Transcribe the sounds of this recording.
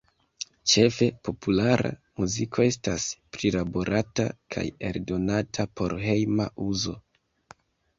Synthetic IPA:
t͡ʃe̞fe̞po̞pulaɾa̰muzikʰo̞e̞staspɾilabo̞ɾʔata̰kʰa̰je̞̰ldo̞natʰapo̞ɾɦe̞jmaʔuzo̞

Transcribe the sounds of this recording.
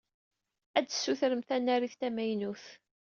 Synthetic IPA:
æd̪sːuθɾəmθænːæɾiθt̪æmæjnuθ

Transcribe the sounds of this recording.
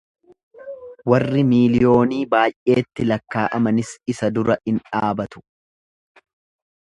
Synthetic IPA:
wɐrːɪmiːlɪjo̞ːniːbaːjʔe̞ːt̪ːɪlɐkːaːʔɐmɐnɪsɪsɐd̪ʊɾɐɪnᶑaːbɐt̪ʊ̥

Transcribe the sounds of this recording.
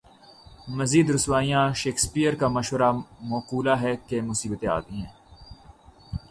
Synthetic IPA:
mɐziːd̪ɾʊswaːijãʃeːkspijəɾkamɐʃwəɾamɔːquːlaɦɛkemʊsiːbt̪ẽa̰ːt̪ĩɦɛ̃ː

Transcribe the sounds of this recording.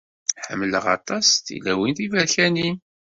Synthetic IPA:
ħəmːləʁɑ̰t̪ˤɑsθḭlæwinθivæɾçæni

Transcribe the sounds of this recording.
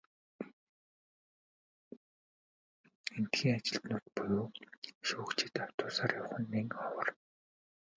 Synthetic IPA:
en̥t̪xiːŋat͡ɕɪ̆ɬt̪nʊːt̪̚pujoːʃʊːkt͡ɕʰɪ̥̆t̪aw̥t̪ʊːsaːrjawχə̆nːiːŋɔwə̆r

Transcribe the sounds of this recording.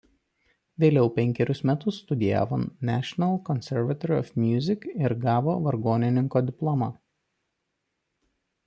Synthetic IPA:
ʋʲeːlʲɛʊpʲɛŋʲkʲɛɾʲʊsmʲɛt̪ʊsːt̪ʊd̪ʲɪjæ̰ːʋonnʲæːʃʲɔnɐlˠkɔnʲsʲɛɾʋɐt̪ɔɾʲɪɔ̰fmʲjʊːzʲɪkɪɾɡɑːʋoːʋɐɾɡoːnʲɪnʲɪŋkoːd̪ʲɪplˠɔmɑ

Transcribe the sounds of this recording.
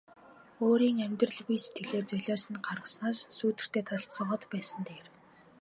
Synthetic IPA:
oːɾiːŋæmʲt̪rə̆ɮpijse̥t̪ʰɡĕɮeːt͡sœɮʲɔːsɘ̆nɢarə̆snaːssuːt̪ɘ̆r̥t̪ʰeːt̪ʰɔɮt̪sə̆ɴɢɞ̆t̪pæːsə̆nt̪ʰeːr

